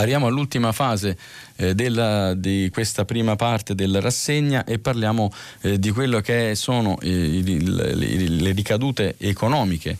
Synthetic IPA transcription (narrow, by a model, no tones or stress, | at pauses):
arijaːmoalːult̪imafaːze | d̪elːad̪ikwest̪apɾiːmapart̪ed̪elːarasːeɲːaʔepːarljaːmo | d̪ik̬welːok̟eɛsoːno | leɾikad̪uːt̪eːkonɔːmik̟e